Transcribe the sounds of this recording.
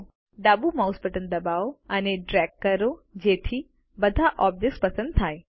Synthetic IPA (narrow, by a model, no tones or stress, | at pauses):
ɖ̪abumauspəʈənd̪əbaoəneɖɾɛɡːəɾod͡ʒet̪ʰi | bəd̪ʱaʔɔb̚d̪ekspəsə̃nd̪̚t̪ʰaj